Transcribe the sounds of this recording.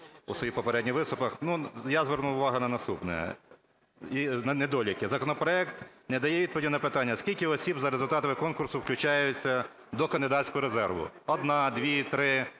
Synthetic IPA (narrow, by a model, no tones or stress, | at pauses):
ṵsɔjipɔpeɾɛdʲnʲiʋɪst̪ʊpɐxnujazʋɛrnuʊʋɑɦʊnɐnɐst̪upnɛ̰ | inɐnɛd̪ɔlʲɐkɪzɐkɔnɔpɾɔɛkt̪nɛd̪ɐjɛʋʲid̪̚pɔʋʲdʲnɐpɪt̪ɑnʲːɐskʲilʲkɪɔsʲibzɐɾezʊlʲt̪ɑt̪ɐmɪkɔnkʊrsʊwklʲʊt͡ʃajʊt͡sʲːɐ | d̪ɔkɐnd̪ɪd̪ɑsʲkɔɦɔɾezɛrʋʊ̰ɔd̪nɑd̪ʋʲit̪ɾɪ